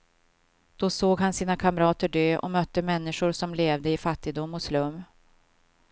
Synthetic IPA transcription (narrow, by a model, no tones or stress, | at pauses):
d̪̥ɔsoːɡɦansiːnakʰamɾɑːt̪əɖøːʔɔ̰mœt̪ːəmɛnːɪʂʊɾsɔmleːvd̪əɪfat̪ːɪɡ̚d̪ʊmːɔslɵmː